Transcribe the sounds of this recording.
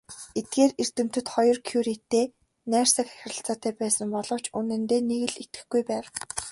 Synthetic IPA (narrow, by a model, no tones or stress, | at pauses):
et̪̚ɡeːrer̥t̪ɘ̆m̥t̪ɘ̆t̪χɔjɞ̆rkʰjuɾit̪ːeː | næːr̥sə̆kæ̥xʲɪrə̆ɬt͡saːt̪æːpæːsə̆mpɔɮɞ̆w̥t͡ɕunɘ̆nt̪eːneɣɘ̆ɮet̪ɘ̆xɡujpæːw